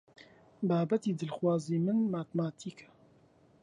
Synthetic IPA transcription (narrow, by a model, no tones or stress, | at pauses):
baːbɛt̪iːd̪ɨlxwaːziːmɨnmaːt̪maːt̪ʰiːkʰɛ̥